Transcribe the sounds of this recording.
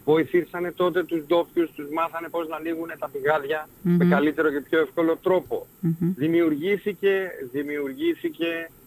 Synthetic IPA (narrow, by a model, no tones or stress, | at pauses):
vo̞iθisɐne̞t̪o̞t̪e̞t̪uzd̪o̞pçust̪uzmɐθɐne̞po̞znɐːniɣune̞t̪ɐpiɣɐðʝɐmekɐlit̪e̞ɾo̞ce̞pço̞e̞fko̞lo̞t̪ɾo̞po̞̰ðimiuɾʝiθice̞ðimiuɾʝiθice̞